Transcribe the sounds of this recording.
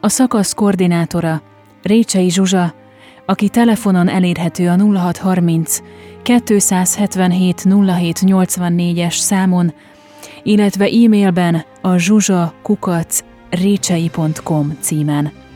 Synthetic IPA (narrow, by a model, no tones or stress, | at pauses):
ɒsɒkɒsko̞rd̪inaːt̪o̞ɾɒ | reːt͡ʃɛjiʒuʒɒ | ɒkit̪ɛlɛfo̞no̞nɛleːrɦɛt̪øːɒnulːɒɦɒt̪hɒrmint̪skɛt̪ːøːsaːshɛt̪ʋɛnɦeːt̪nulːɒɦeːt̪ɲo̞lt̪sʋɒnːeːɟɛʃsaːmo̞n | ilːɛt̪ʋɛʔiːmeːlbɛn | ɒʒuʒɒkukɒt̪s | reːt͡ʃɛjipo̞nt̪ko̞mt̪siːmɛn